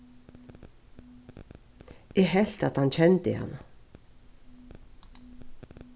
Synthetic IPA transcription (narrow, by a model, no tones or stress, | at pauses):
eːhɛlt̪ɑt̪hɑnçɛnt̪ɪ̰hɑ̰nə